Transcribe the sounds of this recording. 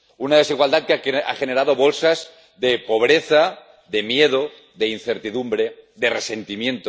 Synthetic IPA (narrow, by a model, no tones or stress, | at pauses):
unað̞esiɣwald̪at̪̚ka̰xeneɾaðo̞βo̞lsaz | ðepo̞β̞ɾeθa | ðe̞mje̞ðo | ðein̟θe̞ɾt̪iðumbɾeðerese̞nt̪imjẽ̞nt̪o